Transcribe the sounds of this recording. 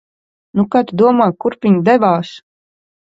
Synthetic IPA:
nukat̪d̪uɔmaːkuɾpʲiɲd̪ɛvaːs

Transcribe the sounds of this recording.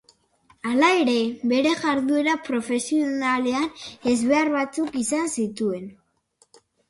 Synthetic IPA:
alae̞ɾe̞βe̞ɾe̞ɣaɾðue̞ɾapɾo̞fe̞sionale̞ane̞zβe̞arβat͡sukisansit̪ue̞n

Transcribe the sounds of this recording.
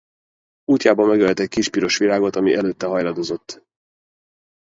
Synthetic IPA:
uːc̪ːaːbɒmːɛɡølt̪ɛc̚ʲkiʃpiɾo̞ʃʋilaːɡo̞t̪ɒmiʔɛløːt̪ːɛɦɒjlɒd̪o̞zo̞t̪ː

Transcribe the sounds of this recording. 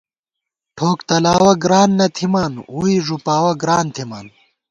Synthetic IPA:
ʈʰoːkt̪ɐlaːwɐɡɾaːnːɐt̪ʰimaːnuːiʐupaːwɐɡɾaːnt̪ʰimaːn

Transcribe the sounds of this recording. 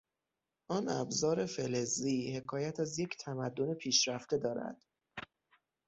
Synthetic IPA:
ʔɒːnæ̰bzɒːɾe̞feleziːhe̞kʰɒːjæt̪ʰæzje̞cʰt̪ʰæmæd̪ːone̞pʰiːʃɾæft̪e̞d̪ɒːɾæ̰d̪̥

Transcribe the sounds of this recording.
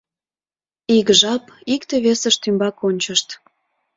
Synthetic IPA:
iɣʒɑpikt̪eβesəʃt̪ymbɑkonʲt͡ɕəʃt̪

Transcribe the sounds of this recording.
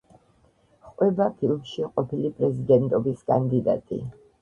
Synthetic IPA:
χʼwɛbapʰilˠmʃiqʼɔpʰilipʼɾɛzid̪ɛnt̪ʼɔbiskʼand̪id̪a̰t̪ʼḭ

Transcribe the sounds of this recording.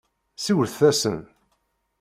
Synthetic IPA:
siwəθæsə̰n

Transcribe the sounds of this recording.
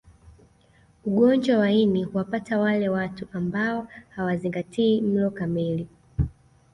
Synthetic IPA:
uɠɔnd͡ʒwawainihuwapatawalɛwatuambaɔhawaziŋɡatiːm̩lɔkamili

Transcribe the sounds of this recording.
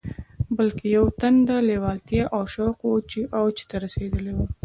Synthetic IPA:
bəlkejawt̪and̪alewɑlt̪jaʔawʃaqot͡ʃiʔawt͡ʃi̥t̪aɾased̪əlewu

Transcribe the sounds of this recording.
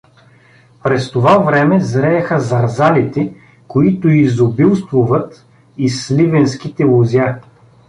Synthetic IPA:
pɾɛst̪ovavɾɛmɛzɾɛɐxəzɐɾzalit̪ɛ | koit̪ʊizobilˠst̪vʊvɐt̪ | islivɛnsk̟it̪ɛlˠozʲja

